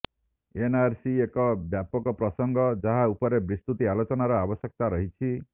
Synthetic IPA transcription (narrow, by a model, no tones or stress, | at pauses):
enaɾsiekɔbjapɔkɔpɾɔsɔŋɡʱɔd͡ʒaɦaupɔɾebɾist̪ut̪ialot͡ʃɔnaɾɔabɔsjek̚t̪aɾɔɦit͡ʃʰi